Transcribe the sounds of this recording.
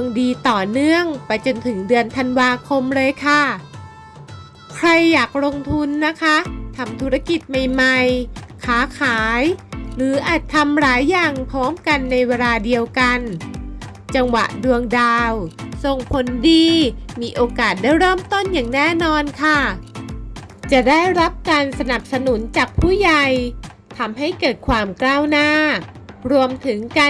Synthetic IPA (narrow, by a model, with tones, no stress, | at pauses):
əŋdiː˧t̪ɔː˨˩nɯ˥˩əŋpa˧jt͡ɕo˧nt̪ʰɯ˩˦ŋdɯ˧ənt̪ʰa˧nwaː˧kʰo˧mlɤː˧jkʰa˥˩ | kʰɾa˧jːaː˨˩k̚ɾo˧ŋt̪ʰu˧nːa˦˥kʰa˦˥t̪ʰa˧mt̪ʰu˦˥ɾa˧ki˨˩t̪̚ma˨˩jma˧jkʰaː˩˦kʰaː˩˦jɾɯː˩˦ʔaː˨˩t̪t̪ʰːa˧mɾaː˩˦jːaː˨˩ŋpʰɾɔː˦˥mka˧nːa˧jweː˧laː˧di˧əwka˧n | t͡ɕa˧ŋwa̰˨˩ʔdu˧əŋdaː˧wso˨˩ŋpʰo˨˧˦ndiː˧miː˧ʔoː˧kaː˨˩t̪̚daː˥˩jɾɤː˥˩mt̪o˥˩njaː˨˩ŋnɛː˥˩nɔː˧nkʰa˥˩ | t͡ɕa˨˩daː˥˩jɾa˦˥p̚kaː˧nsa˧na˨˩p̚sa˧nu˩˦nt͡ɕaː˨˩k̚pʰuː˥˩ja˧˩j | t̪ʰa˧mɦa˥˩jkɤː˨˩t̪̚kʰwaː˧mklaː˥˩wnaː˥˩ | ɾu˧əmt̪ʰɯ˩˦ŋka˧